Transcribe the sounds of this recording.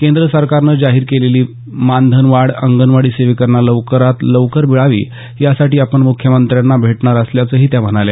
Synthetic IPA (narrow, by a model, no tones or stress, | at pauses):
kend̪ɾəsəɾkaɾnəːd͡zaɦiːɾkeleliː | mand̪ʱənʋaɽəŋɡənʋaɽiːseʋikəɾɳaləʋkəɾat̪ləʋkəɾbiɭaʋḭː | jasaʈiːapəɳmukʰjəmənt̪ɾjanːabʱeʈɳaɾəsljat͡səːɦiːt̪jam̤əɽ̃ale